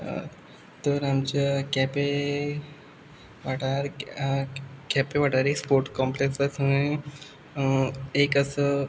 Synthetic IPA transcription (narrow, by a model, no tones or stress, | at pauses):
t̪əɾamt͡ɕakɛpe | ʋaʈaɾ | kɛpeʋaʈaɾekspoɾʈkɔmpleksat͡səẽ | ekəsə